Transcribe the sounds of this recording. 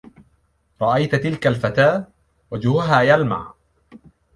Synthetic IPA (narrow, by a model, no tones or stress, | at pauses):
ɾˤɑʔajt̪t̪ɪlkalfat̪aː | wad͡ʒhʊɦaːjalma̰ʕ